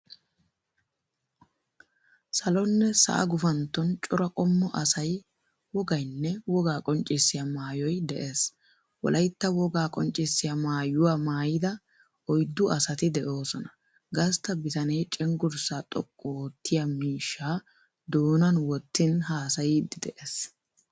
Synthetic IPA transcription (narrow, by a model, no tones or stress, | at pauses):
sɐlɔnːɛsɐ̰ʔɐ̰ɡʊfɐnt̪ːɔnt͡ʃʼɔɾɐkʼɔmːɔʔɐsɐj | wɔɡɐjnːɛwɔɡaːkʼɔnt͡ʃʼɪsːɪjamaːjɔjd̪ɛʔe̞ːs | wɔ̰lʔɐjt̪ːɐwɔɡaːkʼɔnt͡ʃʼːɪsːɪjamaːjʊwaːmaːjɪd̪ɐ | ɔjd̪ːʊɐsɐt̪ɪd̪ɛʔo̞ːsɔnɐ̥ | ɡɐst̪ːɐbɪt̪ɐnɛjt͡ʃʼɛŋɡʊɾsaːt̪ʼɔkʼːɔːt̪ːɪjamiːʃːaː | d̪oːnɐnwɔt̪ːɪnhaːsɐjɪd̪ɪd̪ɛʔeːs